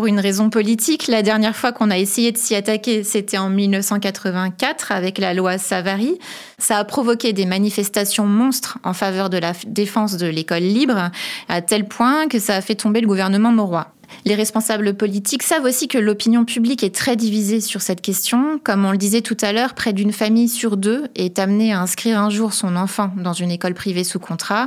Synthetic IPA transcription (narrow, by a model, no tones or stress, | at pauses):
puʁynʁezɔ̃pɔlit̪ʰiklad̪ɛʁnjɛʁfwakɔ̃naesejed̪əsiat̪akʲeset̪ɛɑ̃milnəfsɑ̃kat̪χəvɛ̃kat̪χavɛklalwasavaʁi | saːpχɔvɔkʲed̪emanifɛst̪asjɔ̃mɔ̃st̪χɑ̃favœʁd̪əlad̪efɑ̃s̬d̪əlekɔlːibʁat̪ɛlpwɛ̃kəsaːfɛt̪ɔ̃beləɡuvɛʁnəmɑ̃mɔʁwa | leʁɛspɔ̃sabləpɔlit̪ʰiksavosikəlɔpinjɔ̃pyblikɛt̪χɛd̪ivizesyʁsɛt̪kʲɛst̪jɔ̃kɔmɔ̃ləd̪izɛt̪ut̪alœʁpχɛd̪ynfamijsyʁd̪øɛt̪amneaɛ̃skχiʁɛ̃ʒuʁsɔ̃nɑ̃fɑ̃d̪ɑ̃zynekɔlpχivesukɔ̃t̪χa